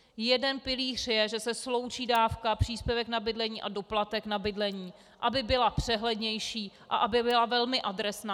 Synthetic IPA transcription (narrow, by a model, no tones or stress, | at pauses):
jɛdɛnpɪliːr̝̥jɛʒɛsɛslo̞wt͡ʃiːdaːfkapr̥iːspjɛvɛknabɪdlɛɲiːʔado̞plat̪ɛknabɪdlɛɲiː | ʔabɪbɪlapr̝̥ɛɦlɛdɲɛjʃiːʔa̰ʔabɪbɪlavɛlmɪʔadɾɛsnaː